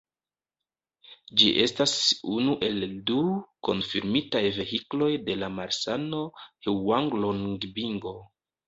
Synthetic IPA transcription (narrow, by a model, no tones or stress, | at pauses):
d͡ʒiʔe̞stasunuʔe̞lduko̞̰nfiɾmitajve̞hiklo̞jde̞lamaɾsano̞hewaŋɡlonɡbiŋɡo̞